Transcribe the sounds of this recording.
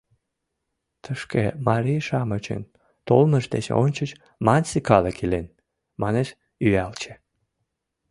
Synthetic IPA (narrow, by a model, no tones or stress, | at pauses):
t̪ʰəʃkḛmɑɾiʃɑmət͡ɕə̰n | t̪olməʃd̪et͡ɕo̰nʲt͡ɕət͡ɕ | mɑnʲsikɑlekʰilen | mɑneʃ | yælt͡ɕĕ̥